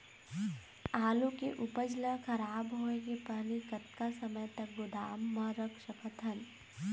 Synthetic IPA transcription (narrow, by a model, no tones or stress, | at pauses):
aːlũkeʔʊpəd͡ʒlaxʰɐɾaːbɦoːẽɡepɛɦlikɐt̪̚kasɐməjt̪ɐk̚ɡʊd̪aːmːãɾɐkʰʃɐkət̪ʰɐn